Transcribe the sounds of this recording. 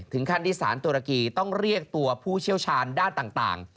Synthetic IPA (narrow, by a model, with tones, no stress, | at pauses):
t̪ʰɯ˩˦ŋkʰa˧˩nt̪iː˥˩sa̰ː˩˦nt̪uː˧ɾa˧kiː˧t̪ɔ˥˩ŋɾi˥˩ək̚t̪u˧ɐpʰuː˥˩t͡ɕʰi˥˩əwt͡ɕʰaː˧ndaː˥˩nt̪aː˨˩ŋt̪a̰ː˨˩ŋ